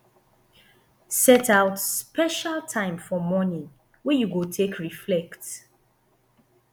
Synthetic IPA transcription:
sɛtaʊtspɛʃaltʰãɪ̃mfɔmɔnĩŋ | wɛjuɡotʰekʰɹiflɛkts

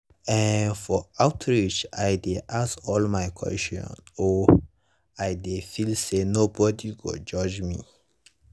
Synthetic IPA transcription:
ɛ̃nfɔaʊtʰɹit͡ʃajdeʔasɔlmaɪkʰwɛ̰stɔ̰̃nɔ | aɪdefilsenobɔdiɡo̰d͡ʒɔd͡ʒmḭ

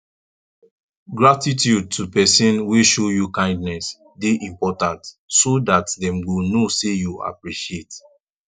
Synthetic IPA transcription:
ɡɹatitjud̚tʰupɛsĩnweʃojukãɪ̃ndnɛs | deʔĩmpɔtãnt | sodatdɛ̃mwunosejua̰pɹiʃiet

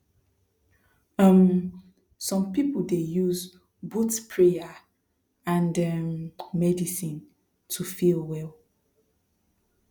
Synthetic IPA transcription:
am | sɔ̃mpipuldejuz | butpʰɹeja | ãndɛmmɛdisĩn | tʰufilwɛl

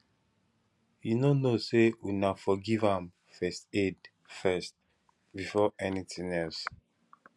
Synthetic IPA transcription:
jinonosewinafɔɡivãm | fɛsted | fɛst | bifɔʔɛnitĩŋɛls

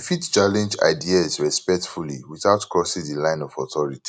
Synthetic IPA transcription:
fitt͡ʃalɛ̃nd͡ʒa̰ɪdiazɹɛspɛk̚tfulḭwiθaʊtkɹɔsĩŋdilãɪ̃nɔvɔθɔɹiti̥

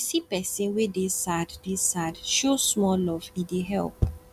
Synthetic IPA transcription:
sipɛsĩnwedesaddesadʃosmɔlɔvĩdeɦɛ̰lp

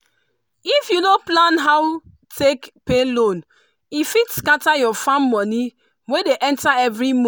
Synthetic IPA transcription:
ifjunoplãnɦaw | tʰekpelõn | ifitskatajɔfãmːɔ̃ni | wedeʔɛ̃ntaɛvɹim

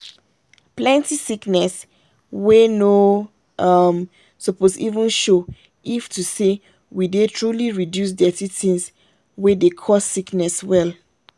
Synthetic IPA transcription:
plɛ̃ntisiknɛs | weno | ʌm | sɔposḭvə̃nʃo | iftuse | widetʰɹuliɹidjus̬dɛtitĩns | wɛdekʰɔsːiknɛswɛl

